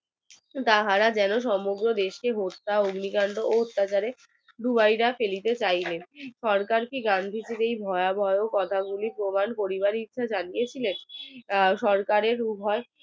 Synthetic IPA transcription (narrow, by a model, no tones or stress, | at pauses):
t̪aɦaɾad͡ʑɛnoʃ̬ɔmoɡɾod̪eʃkeɦot̪ːaoɡnikanɖ̪ooɦot̪ːat͡ɕaɾe | ɖ̪ubajɾafelit̪et͡ɕajlenʃɔɾkaɾkiɡand̪ʱit͡ɕʰeɾejbʱɔeabʱɔeokɔt̪ʰaɡulipɾomankoɾiβaɾit̪ːʃʰad͡ʑanijet͡ɕʰilen | ʃɔɾkaɾeɾubʱɔe